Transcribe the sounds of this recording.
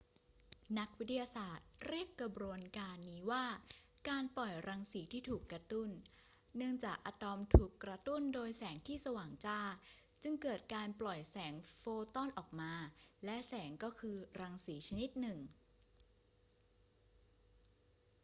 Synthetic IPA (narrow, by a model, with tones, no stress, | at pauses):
na˦˥k̚wt̪ʰːi˧jaː˧saː˨˩t̪̚ɾi˥˩əkːa˧˩bɾu˧ənkaː˧nːiː˦˥waː˥˩kaː˧nplɔ˨˩jɾaː˧ŋsiː˩˦t̪ʰiː˥˩t̪ʰuː˨˩kːɾa˧t̪u˥˩nː | ɯ˥˩əŋt͡ɕaː˨˩k̚ʔaː˧t̪ɔ˧mt̪ʰuː˨˩kːɾa˧t̪u˥˩ndoː˧jsɛː˩˦ŋt̪ʰiː˥˩sa˧waː˨˩ŋt͡ɕaː˥˩ | t͡ɕɯ˧ŋkɤː˨˩t̪̚kaː˧nplɔ˨˩jsɛː˩˦ŋfoː˧t̪ɔ˥˩nʔɔː˨˩k̚maː˧lɛ˦˥ʔsɛː˩˦ŋkɔː˥˩kʰɯː˧ɾaː˧ŋsiː˩˦t͡ɕʰa˧ni˦˥t̪̚nɯ˨˩ŋ